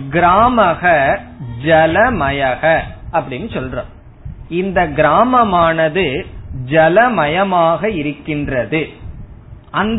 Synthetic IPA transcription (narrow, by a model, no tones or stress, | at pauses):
ɡɪɾaːmɐɣɐd͡ʒɛlɐmɐjɐɣɐʔɐpːɐɽɪnːɯsɔlrõ̰ː | ɪnd̪ɐɡɪɾaːmɐmaːnɐðɯd͡ʒɛlɐmɐjɐmaːɣɐɪɾɯkːɪndrɐðɯ | ʔɐnd̪